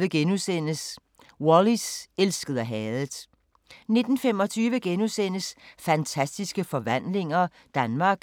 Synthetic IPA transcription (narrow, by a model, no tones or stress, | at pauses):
ʋəɡ̥enusen̰əs | woliselsɡ̥əð̩ˠɐɦɛːð̩ˠ | ne̝d̥n̩fem̰ɒ̽t͡sʰyːʋəɡ̥enusen̰əsfænt͡sʰæsd̥isɡ̥əfɒ̽ʋæn̰le̝ŋɐ | d̥ænmɑ̈ːɡ̥